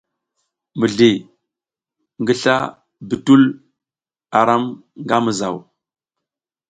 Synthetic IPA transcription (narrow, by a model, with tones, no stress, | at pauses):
mə˨ɮe˨ | ŋɡi˦ɬa̰˦ | bi˨tu˦l | a˨ɾa˦mŋɡa˦mə˨za˨w